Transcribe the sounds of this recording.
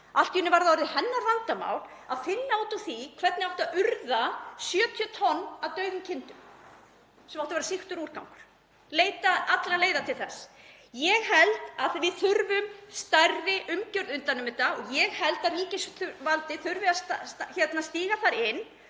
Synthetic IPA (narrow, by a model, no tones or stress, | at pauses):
al̥t̪ʏnːɪvaɾðaɔɾðɪhɛnːaɾvant̪ama̰ːwl̥ | aðfɪnːaawt̪ʏθikʰvɛt̪nɪawht̪aðʏɾðasjœːt̪ʰjœt̪ʰɔnːaðt̪œɥðʏmcʰɪnt̪ʏm | sɛmawht̪avɛɾasixt̪ʏɾuːɾ̥kawŋkʏ̥ɾ̥ | leːjt̪aat̪laleːjðat̪ʰɪlθɛs | jɛɣhɛlt̪aθvɪðθʏɾvʏmst̪arɪʔʏmcœɾðʏnt̪anʏmɪt̪aɔɣjɛɣhɛlt̪aðriːcɪsθʏɾvalt̪ɪθʏɾvɪasaçɛt̪nast̪iːɣaθaɾɪnː